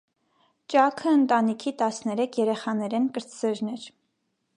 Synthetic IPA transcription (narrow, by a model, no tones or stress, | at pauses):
t͡ʃɑkʰəːnt̪ɑnikʰit̪ɑsnɛɾɛkʰjɛɾɛχɑnɛɾɛnkəɾt͡sʰzɛɾnɛɾ